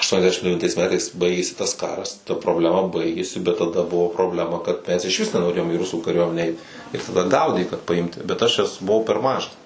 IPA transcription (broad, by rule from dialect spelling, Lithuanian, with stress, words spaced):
ɐʃˌtuɔnʲɛzʲˈdʲæːʃʲɪm dʲɛʋʲɪnˈtɐɪs ˈmʲæːtɐɪs ˈbɐɪɡʲeːsʲɪ tɐs ˈkɑːrɐs tɐ proːbʲlʲɛˈmɐ ˈbɐɪɡʲeːsʲɪ bʲɛt tɐˈdɐ ˈbʊʋoː proːbʲˈlʲæːmɐ kɐt ˈmʲɛs ɪʃʲˈʋʲɪs nʲɛnoːˈrʲeːjoːm iː ˈrʊsuː kɐˈrʲuɔmʲɛnʲæː ˈɛɪt ɪr tɐˈdɐ ˈɡɐʊdʲeː kɐt pɐˈɪmʲtʲɪ bʲɛt ˈɐʃ bʊˈʋɐʊ pʲɛr ˈmɑːʒɐs